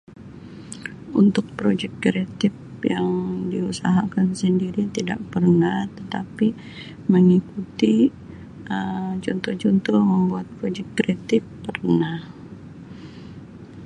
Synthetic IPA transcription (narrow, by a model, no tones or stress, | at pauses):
unt̪ʊk̚pɾod͡ʒɛkkɾet̪ɪpjaŋdiusaɦakansəndiɾit̪ida̰ʔ̚pərnat̪ət̪api | məŋikut̪i | ət͡ʃɔnt̪ʊht͡ʃɔnt̪ʊməmbuat̪̚pɾod͡ʒɛkkɾet̪ɪpːərnah